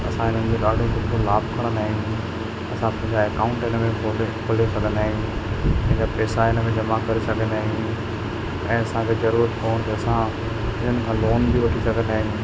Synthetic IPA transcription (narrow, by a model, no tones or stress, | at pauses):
ɐsãɦɪn̤ənɪ̆d͡ʑoɗaːɖʱokʊʈʰõlaːbkʰɐɽ̃naːɦĩũ | ɐsãpɐ̃ɦɪ̃ɲd͡ʑaeːkãːʊ̃ɳʈɪnmẽbʰoɖkʰoːlosɐɡʱə̃naːɦijũɐ̃ɦɪ̃ɲd͡ʑapɛːsaɪnəmẽd͡ʑɐmakɐɾesɐɡʱə̃n̆aːɦĩjũũ | ɛ̃ːɐsãkʰeːzɐɾuːɾət̪koːñt̪ʰɐɐsã | ɦɪn̤ənɪ̆kʰãːloːnbiʋɐʈʰisɐɡʱə̃naːɦɪ̃jũ